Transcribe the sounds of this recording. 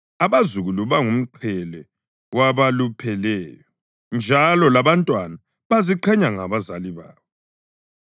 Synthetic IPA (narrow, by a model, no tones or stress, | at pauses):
aβazuɣuluβaŋum̩ǃʰɛlɛ | waβalupʰɛlɛːjɔ | nd͡ʒʱalɔlaβantʼwana | βaziǃʰɛɲaŋaβazaliβaːβɔ